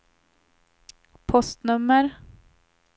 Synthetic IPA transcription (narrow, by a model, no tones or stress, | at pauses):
pʰɔst̪nɵmːəɾ